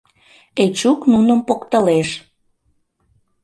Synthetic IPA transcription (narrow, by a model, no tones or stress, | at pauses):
et͡ɕuknunəmpokt̪əleʃ